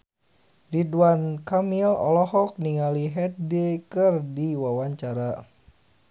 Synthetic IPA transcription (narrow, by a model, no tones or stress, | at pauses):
ridwankamilɔ̰lɔɦɔk̚niŋaliɦɛt̪̚dekɨrdiwawaɲt͡ʃaɾa